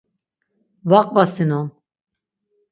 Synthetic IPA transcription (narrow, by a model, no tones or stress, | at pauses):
vaqʼvasinɔn